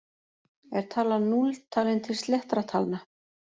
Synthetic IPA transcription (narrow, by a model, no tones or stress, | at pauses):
ɛɾ̥t̪ʰaːlanult̪ʰaːlɪnt̪ʰɪlst̪lɛht̪ɾat̪ʰaːlna